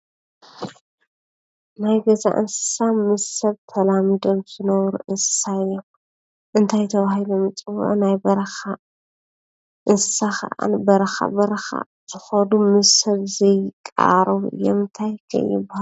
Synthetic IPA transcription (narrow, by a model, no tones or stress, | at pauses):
najɡɐza̰ʔɨ̰nsɨ̥samɨzsɐβt̪ʰɐlamid̪o̞mz̥ɨnɐβɾuʔɨnsɨ̥saɨjːom | ʔɨnt̪ʰajt̪ʰɐβahilomɨt͡sʼɨw̰ʔnajbɐɾɐxa | ʔɨnsɨ̥saxɐ̰ʔa̰nbɐɾɐxa̰bɐɾɐxa̰ | z̥ɨxɐd̪umɨzsɐβzɐjkʼa̰ɾɐβɨ̰jːo̰mɨnt̪ʰajkʰɐ̰jɪbahal